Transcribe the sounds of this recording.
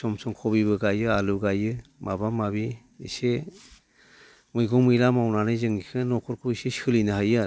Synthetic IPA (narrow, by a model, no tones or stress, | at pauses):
sɔmsɔŋkʰɔbibɯɡajɯaluɡajɯmabamabi | ḭse | mɯjɡɔŋmɯjɾamawnanɯjzɯŋikʰɯnɔkʰɔɾkʰuisesɯlinɯɦaja